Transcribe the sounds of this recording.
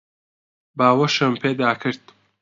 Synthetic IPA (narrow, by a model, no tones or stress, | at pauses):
baːwɐʃɨmpʰeːd̪aːkʰɨɾd̪